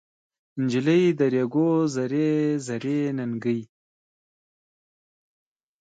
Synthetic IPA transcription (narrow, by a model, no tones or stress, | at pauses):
ɪnd͡ʒiləjd̪əɾjaɡozaɾezaɾenaŋɡəj